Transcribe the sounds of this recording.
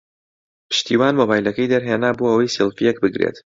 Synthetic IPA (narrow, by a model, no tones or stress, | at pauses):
pʰɨ̥ʃt̪iːwaːnmoːbaːjlɐkɐjd̪ɐɾɦeːnaːboɐwɐjsilˠfijɛkbɨɡɾḛt̪